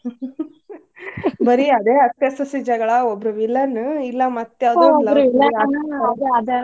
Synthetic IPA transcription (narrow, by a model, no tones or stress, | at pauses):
bɐɾiɐd̪eːɐt̪jesɐsid͡ʒɐɡɐɭɐobɾuʋilːɐnilːɐmɐt̪ːejaːd̪uɔlɾuilːɐɐd̪eɐd̪e